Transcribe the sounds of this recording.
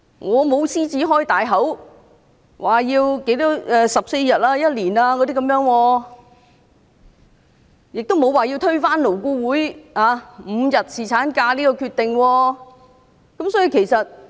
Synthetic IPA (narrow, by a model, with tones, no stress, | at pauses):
ŋʔɔː˨˧mo˨˧˥wsiː˥t͡siː˨˥ɦɔː˥jt̪aː˨jɦɐ˨˥w | wʔaː˨˩jiː˧wke˨˥jt̪ɔː˨˥ɛː˨sɐ˨p̚se˧jjɐ˨t̚ʔaː˧jɐ˥t̚liː˨˩naː˧kɔː˨˧t̪i˥kɐ˧˥mjœː˨˧˥ŋwɔː˧ | jɪ˨k̚t̪wmo˨˧waː˨˩ji˧wt̪ʰɵ˥ɥfaː˥nlo˨˩wkuː˧wuː˨˥jaː˨˧m̩˨˧jɐ˨t̚siː˨˩t͡sʰaː˨˥nkaː˧liː˥kɔː˧kʰyː˧t̪̚ɪ˨ŋwɔː˧ | kɐ˨˥msɔː˨˥ji˧kʰe˨˩jsɐ˨t̚